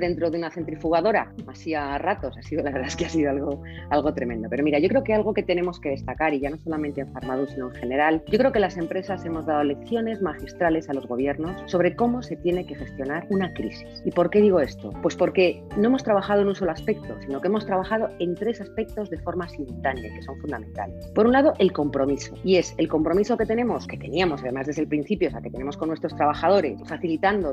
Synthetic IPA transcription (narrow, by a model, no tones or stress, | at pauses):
d̪e̞nt̪ɾoðeunaθent̪ɾifuɣ̞aðo̞ɾa̰masiarat̪o̞sasiðolaβe̞ɾðaeskeasiðoalɣ̞o̞ | alɣ̞o̞t̪ɾe̞me̞nd̪o̞peɾo̞miɾaʝo̞kɾe̞okealɣ̞o̞ke̞t̪e̞ne̞mo̞ske̞ð̞e̞st̪akaɾiʝano̞so̞lamẽnt̪eeɱfaɾmaðusino̞ẽŋxe̞ne̞ɾalɟ͡ʝo̞kɾe̞oke̞lase̞mpɾe̞sase̞mo̞zðaðo̞le̞kθjo̞ne̞zmaxist̪ɾale̞salo̞zɣo̞β̞je̞ɾno̞sːo̞βɾe̞ko̞mo̞se̞t̪je̞ne̞ke̞xe̞st̪jo̞naɾunakɾisi̥sipo̞ɾke̞ðiɣ̞o̞e̞st̪o̞̰pwe̞spo̞ɾke̞no̞emo̞st̪ɾaβaxaðoe̞nũnso̞loaspe̞k̚t̪o̞sino̞kemo̞st̪ɾaβaxað̞o̞e̞nt̪ɾe̞saspe̞k̚t̪o̞zðe̞fo̞ɾmasimult̪aneke̞so̞ɱfund̪ament̪a̰le̞spo̞ɾunlaðo̞ʔe̞lko̞mpɾo̞miso̞ie̞se̞lko̞mpɾo̞miso̞ke̞t̪e̞nẽ̞mo̞ske̞t̪e̞niamo̞saðe̞mazðe̞zðelpɾinθipjoeaket̪e̞ne̞mo̞skonːwe̞st̪ɾo̞st̪ɾaβaxað̞o̞ɾe̞sfaθilit̪and̪o